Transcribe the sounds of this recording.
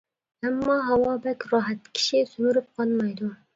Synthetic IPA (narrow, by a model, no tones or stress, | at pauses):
ɛmːɑːɦɑwɑːbɛkʲɾɑːɦɛt̪ːɪ̥kʲʰi̥ʃisymyɾyp̚qʰɑlˠmɑjd̪u